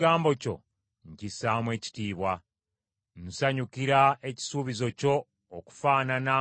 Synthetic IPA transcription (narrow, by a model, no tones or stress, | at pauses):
ɡaːmbo̞co̞̰ | ɲcisaːmwe̞ːci̥tiːβwa | nusaɲukiɾae̞ci̥suːβizo̞co̞ː | ku̥faːnana